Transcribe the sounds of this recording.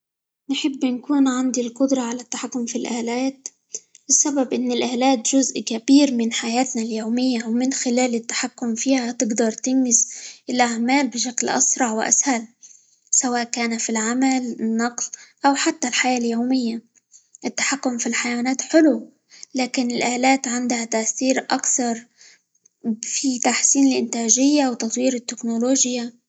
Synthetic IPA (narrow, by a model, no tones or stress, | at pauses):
nħɪbːnkuːnʕand̪ilqʊd̪ɾˤɑʕalat̪ːaħakːʊmfilʔaːlaːt̪ | bɪsːababʔɪnːɪlʔaːlaːt̪ʒʊzʔkabiːɾmɪnħajaːt̪naljoːmɪjːawmɪnxɪlaːlɪt̪ːḁħakːʊmfiːhat̪ɪɡd̪ɑɾˤt̪ɪnːɪsʔɪlʔaʕmaːlbɪʃaklʔa̰sɾˤɑʕwɪʔa̰shal | sawaːʔkaːnafilʕamalɪnːɑqlʔawħat̪ːalħajaːljowmɪjːa | ʔɪt̪ːḁħakːʊmfilħajawanaːt̪ħɪlu | laːkɪnɪlʔaːlaːt̪ʕɪnd̪hat̪aʔθiːɾʔakθɑɾˤ | fit̪aħsiːnɪlʔɪ̰nt̪aːʒɪjːawt̪ɑt̪ˤwiːɾɪt̪ːɪknoloːʒja